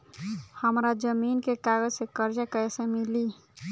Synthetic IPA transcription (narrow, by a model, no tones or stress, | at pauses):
həmɾad͡ʒəminkekaɡəd͡ʒsẽkəɾd͡ʒəkəɛsẽmili